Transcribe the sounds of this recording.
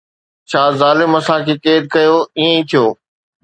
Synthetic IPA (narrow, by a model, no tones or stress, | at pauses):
t͡ɕʰaːzaːlɪmɐsãkʰeːkeːd̪̚kɐjoːiːẽĩt̪ʰijoː